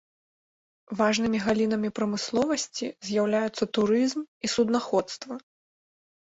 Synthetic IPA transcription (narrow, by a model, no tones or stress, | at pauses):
vaʐnɨmʲiɣalʲin̪ɐmʲipɾɐmɨslˠɔvɐsʲt͡sʲizʲjawlʲajut̪sːɐt̪uɾɨzmisud̪naxɔt̪st̪vɐ